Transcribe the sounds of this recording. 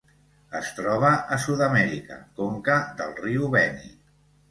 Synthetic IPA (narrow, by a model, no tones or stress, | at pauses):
əst̪ɾɔβ̞əʔəsuðəmɛɾikə̰koŋkəðəlˠriuβɛnḭ